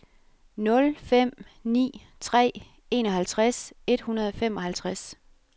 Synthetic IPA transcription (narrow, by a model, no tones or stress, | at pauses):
nɔ̽lfem̰nḭːt͡sʰʁɛ̰ː | e̝ːnɒ̽ɦælt͡sʰʁase̝d̥hunɐð̞ˠɒ̽fem̰ɒ̽hælt͡sʰʁas